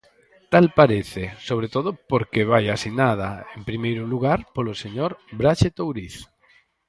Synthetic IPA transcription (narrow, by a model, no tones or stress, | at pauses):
t̪alpaɾeθesoβ̞ɾet̪oðʊpoɾkeβ̞ajasinað̞aempɾimejɾʊluɣaɾpoloseɲoɾbɾaʃet̪owɾiθ